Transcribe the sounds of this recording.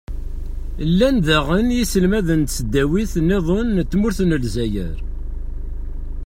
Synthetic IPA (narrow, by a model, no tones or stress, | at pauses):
lːænðæʁənjisəlmæðənt̪səd̪ːæwiθnːeðˤonːt̪ːmʊɾθnəlzæjə̰ɾ